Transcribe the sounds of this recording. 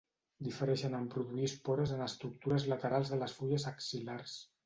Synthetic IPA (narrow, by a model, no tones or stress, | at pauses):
d̪ifəɾɛʃənəmpɾuðuispɔɾəzənəst̪ɾuk̚t̪uɾəzlət̪əɾalˠzðələsfuʎəzəksilars